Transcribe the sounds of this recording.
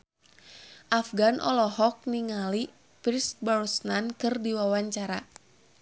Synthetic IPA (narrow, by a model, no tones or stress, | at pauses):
ʔafɡanʔɔ̰lɔɦɔk̚niŋali | pɾisbɔrsnankɨrdiwawaɲt͡ʃaɾa